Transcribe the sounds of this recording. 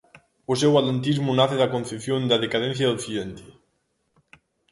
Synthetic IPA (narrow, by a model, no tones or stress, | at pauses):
os̬ewalent̪̬izmunaθeðakõnθepθjond̪aðekað̞ẽn̟θjaðokθiðent̪e̥